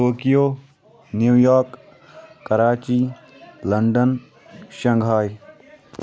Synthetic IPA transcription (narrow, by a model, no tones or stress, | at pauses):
oːkijoː | njuːjɔːɾkː | ɐɾaːt͡ʃiː | lɐɳɖən | ʃɐ̃ŋɡʱaːj